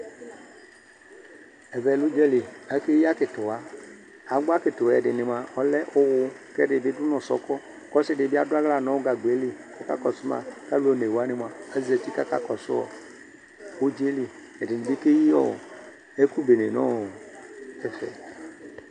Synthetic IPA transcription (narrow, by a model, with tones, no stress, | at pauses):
ɛ˨vɛ˨lʊ˦d͡ʒɛ˦li˨a˦ke˦ja˦kɪ˨tʊ˨wa˨ | a˨˦ɡ͡ba˦kɪ˨tʊ˨ɛ˨dɪ˨nɪ˨m˨a˨ʔɔ˦lɛ˦ʔʊ˦wʊ˨kɛ˦ɖɪ˨bɪ˦dʊ˦nɔ̃˨sɔ̰˦kɔ˦ | kɔ˦sɪ˦dɪ˨bɪ˦a˦dʊ˦a˦ɣla˨nɔ̃˦wʊ˦ɡa˨ɡ͡be˨˦li˨kɔ˦ka̰˦kɔ˨sʊ˦ma̰˨ka˦lu˦o˦˨ne˨wa˦nɪ̃˨m˨a˨a˦ze˨ti˦ka˦ka̰˦kɔ˨sʊ˦ɔ̰˨ | o˦d͡ʒe˦li˨ | ɛ˨dɪ˨n˨bi˦ke˦ji˦ɔ̰˦˨ɔ̰˨ | e˦ku˦be˨ne˨nɔ̰̃˦ɔ˨ɛ˦fɛ̰˨